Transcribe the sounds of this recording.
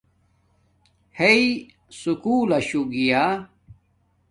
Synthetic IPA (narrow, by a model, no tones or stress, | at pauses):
hei | sukuːlɐɕuɡija